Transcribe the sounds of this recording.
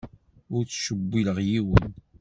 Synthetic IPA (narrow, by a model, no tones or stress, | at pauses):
ʊɾt͡sːʃəbːiləʁjiwən